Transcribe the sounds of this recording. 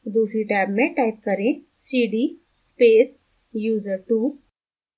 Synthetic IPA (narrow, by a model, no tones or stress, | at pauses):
d̪uːsɾiʈaːbmẽʈaːɪp̚kɐɾẽ | siːɖiː | speːs | juːzəɾʈuː